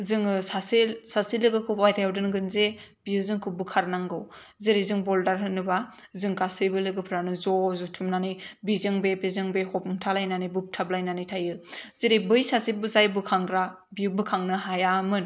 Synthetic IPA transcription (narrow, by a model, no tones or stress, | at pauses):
zɯŋɯsasilsasilɯɡɯkʰɯpajtʰajawdɯnɡɯnzebiɯzɯŋkʰɯbɯkʰaɾnaŋɡɯwziɾizɯŋbɔldaɾɦɯnːɯba | zɯŋkasɯbɯlɯɡɯpʰɯɾanɯzɔzutʰumnanɯjbizɯŋbebizɯŋbehɔpʰɯmtʰalajnanɯjbup̚tʰablajnanɯjtʰajɯziɾibɯjsasibɯzajbɯkʰaŋɡɾa | biɯbɯkʰaŋnɯɦajamɯn